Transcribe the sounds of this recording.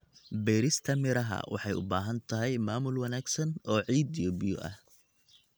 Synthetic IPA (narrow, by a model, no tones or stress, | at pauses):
bɛːɾɪst̪ʰɐmɪɾɐɦɐ̰wʔɑ̰ħɑjʊ̰baːɦɐnt̪ʰɐɦɛjmaːmʊlwɐnaːɡsɐnɔːʕiːd̪ijɔːbɪjɔ̰ʔɐ̰h